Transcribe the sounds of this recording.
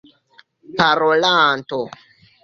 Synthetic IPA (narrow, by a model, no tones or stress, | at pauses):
paɾolaːnto